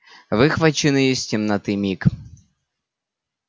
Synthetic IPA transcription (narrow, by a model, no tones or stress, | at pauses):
vɨxvɐt͡ɕɪnɨjɪsʲtʲɪmnɐt̪ɨmʲik